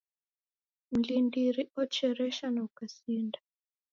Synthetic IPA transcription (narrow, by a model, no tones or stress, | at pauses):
m̩lindiɾiɔt͡ʃɛɾɛʃanaukasinda